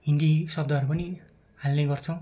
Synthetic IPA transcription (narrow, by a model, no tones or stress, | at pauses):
ɦind̪isʌb̚d̪ʌɦʌɾupʌni | halneɡʌrt͡sʰʌw̃